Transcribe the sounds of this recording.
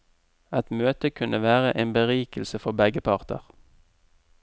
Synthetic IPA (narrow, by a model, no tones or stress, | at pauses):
ɛt̪møːt̪əkʰʉnʔəʋæːʁəʔeːnbəʁiːkəlsəfɔbɛɡəpʰɑʁt̪ə̰ʁ